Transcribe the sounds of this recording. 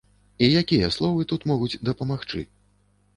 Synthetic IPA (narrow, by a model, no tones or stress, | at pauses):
ijakʲijɐslˠɔvɨt̪ut̪mɔɣud͡zʲd̪ɐpɐmaxt͡ʂɨ̰